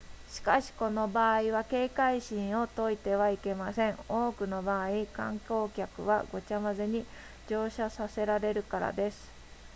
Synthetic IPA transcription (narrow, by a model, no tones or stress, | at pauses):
ɕi̥kaɕi̥ko̞no̞baːiβake̞ːkaiɕĩɰ̃o̞t̪o̞it̪e̞βaike̞masẽ̞ŋ̃o̞ːkɯ̟no̞baːikã̰ŋko̞ːkʲakɯ̟̰βa̰ɡo̞t͡ɕamazeɲ̟i | d͡ʑo̞ːɕasase̞ɾaɾe̞ɾɯ̟kaɾa̰d̪e̞sɨ̥